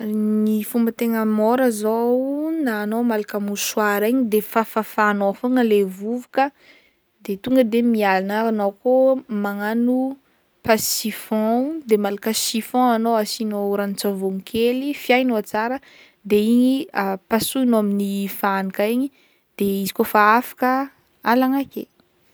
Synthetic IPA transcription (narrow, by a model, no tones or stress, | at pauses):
nifumbət̪eŋəmoɾəzownaːnowmalakamuswaɾiɲid̪efafafanoafoŋəlevuvukə | d̪et̪uŋɡəd̪emialanaanowkomaŋanu | pasifɔ̃d̪emalakəsifɔ̃anowasinouɾant͡savoŋkʰelifjajnoat͡saɾə | d̪eiɲiapasuinoaminifanikaiɲi | d̪̥eizikofaafḁkə | alaŋakḛ